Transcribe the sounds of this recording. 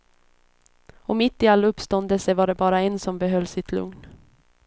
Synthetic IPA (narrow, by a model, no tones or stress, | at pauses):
ɔmɪt̪ːɪalːaɵpst̪ɔnd̪əlsəvaɖɛbɑːɾaɛnsɔmbɛɦœlːsɪt̪ʰlɵ̰ŋn